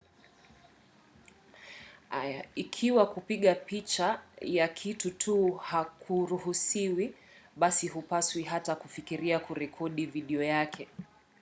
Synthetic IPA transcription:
ajaikʰiwakupiɠapit͡ʃajakʰitutʰuhakʰuɾuhusiwi | ɓasiɦupaswiɦatakufikiɾiakuɾɛkʰɔɗiviɗiɔjakʰɛ

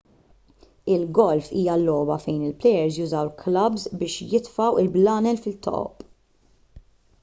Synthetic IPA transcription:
ɪlɡɔlfiːjɐlːɔːbɐfɛjnɪlplɛjɛɾzjʊzɐwlklɐbzbɪːʃjɪt̪fɐwɪlblɐːnɛlfɪlt̪ːɔ̰ʔɔ̰pʼ

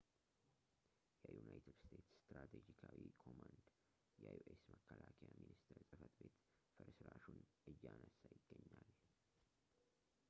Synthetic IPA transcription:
jɛjunajt̪ʰɨd̪st̪ʰet̪sst̪ɾat̪ʰed͡ʒikʰawikʰomand̪ | jɛjuʔesməkʰːəlakʰəjaminist̪ʰəɾsʼɨfət̪be̞t̪ | fɨɾsɨɾaʃunʔɨjːanəsajɪɡːəɲːal

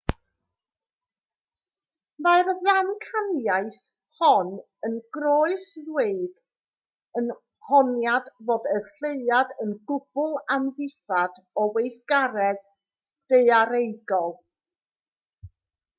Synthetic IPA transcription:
maɨrðankʰanjaɨθ | hɔn | ənɡroːɨsweɨd | ən | hɔnjadvoːdərɬeɨadənɡʊb̥ʊlˠamðɨθadɔwejθɡ̥aɾɛð | d̥eɨaɾejɡɔlˠ

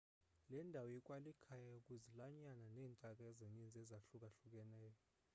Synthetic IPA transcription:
lɛndʱawɔjɛkʼwalikʰajaukʼuzilaɲananɛːntʼakʼaɛzeɲind͡zʱɛzaɬukʼaɬuk̬ʼɛnɛːjɔ

